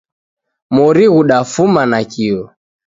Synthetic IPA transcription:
mɔɾiɣuɗafumanakiɔ

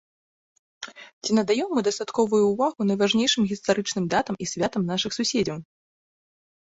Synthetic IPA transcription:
t͡sʲinɐd̪ajɛmːɨd̪ɐst̪at̪kɔvujuːvaɣunɐjvaʐnʲejʂɨmɣʲist̪aɾɨt͡ʂnɨmd̪at̪ɐmʔisʲvʲat̪ɐmnaʂɨxsusʲed͡zʲɐw

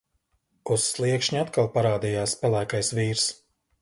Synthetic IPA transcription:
usːlˠiɛkʃɲʲat̪kalˠpaɾaːd̪ijaːspɛlˠæːkajsviːɾs

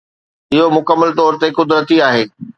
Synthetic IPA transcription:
ɪɦomʊkəmːəlt̪ɔːɾt̪ekʊd̪ɾət̪iaːɦeː

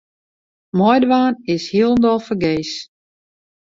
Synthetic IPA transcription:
mɔjdəʋaːnɪshiəlˠəndɔlˠfərɡeːs

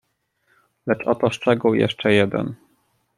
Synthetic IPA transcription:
lɛt͡ʂɔt̪ɔʂt͡ʂɛɡuwjɛ̰ʂt͡ʂɛjɛd̪ɛ̰n

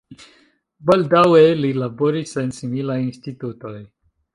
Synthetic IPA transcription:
bald̪awelilaboɾisensimilajinst̪it̪ut̪oj

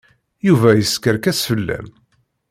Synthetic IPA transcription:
juvæjəskəɾkæsfəlːæ̰m

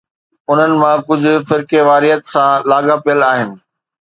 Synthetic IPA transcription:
ʊn̤ənɪ̆mãkʊd͡ʑʱʊ̆fɪɾkeʋaːɾiɦət̪sãlaːɡapijəlaːɦɪnɪ̆

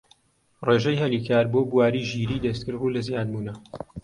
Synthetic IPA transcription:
reːʒejhɐliːkʰaːɾboːbuwaːɾiːʒiːɾiːd̪ɐst̪̚kɨɾbuːlɐzjaːd̪muːnɐ

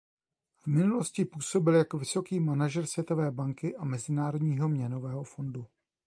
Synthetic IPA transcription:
vmɪnulo̞scɪpuːso̞bɪljakovɪso̞kiːmanaʒɛrsvjɛt̪o̞vɛːbaŋkɪʔamɛzɪnaːɾodɲiːɦo̞mɲɛno̞vɛːɦo̞fo̞ndu

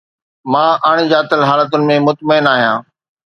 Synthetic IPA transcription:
mãːʔɐɽ̃ɪ̆d͡ʑaːt̪əlɦaːlət̪ʊnɪ̆mẽmʊt̪məɪnaːɦijãː

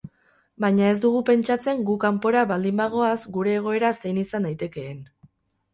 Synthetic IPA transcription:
bajɲae̞zd̪uɣ̞upe̞nt͡ʃat͡se̞ŋɡukampo̞ɾaβald̪imbaɣ̞o̞azɡuɾe̞ːɣ̞o̞e̞ɾase̞jnisand̪ajt̪e̞ke̞ːn

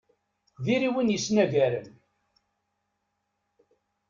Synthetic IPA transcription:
ðiɾiwinjəsnæʝæɾən

